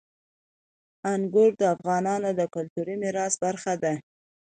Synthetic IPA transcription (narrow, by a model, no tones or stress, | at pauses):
aŋɡʊɾd̪əafɣɑnɑnod̪əkʊlt̪uɾimɪɾɑsbaɾxad̪a